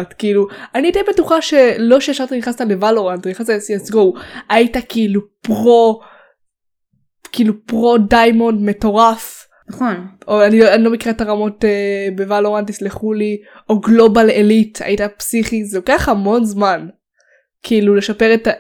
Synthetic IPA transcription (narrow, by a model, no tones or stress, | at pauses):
tkiːluaniitenbetuχaʃe̞lo̞ʃeaʃaʁt̪iniχnastale̞valoʁandiχastaesiesɡo̞waitakiilupʁo̞ | kiiːlupʁo̞dajmo̞ndme̞to̞ʁaf | naχonoaniloanilo̞mekiʁeataʁamo̞tebevaloʁantisliχuli | o̞ɡlo̞balelitʰa̰itapsiχizeokeaχhamo̞nzman | kʰiiːlule̞ʃape̞ʁeta